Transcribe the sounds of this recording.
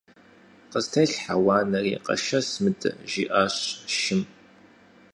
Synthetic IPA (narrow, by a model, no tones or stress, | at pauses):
qəstʰɐɬħawɑːnɐriːqɐ̰ʃɐsmɨdʰʼɨ̰ʒiːʔaːɕʃɪm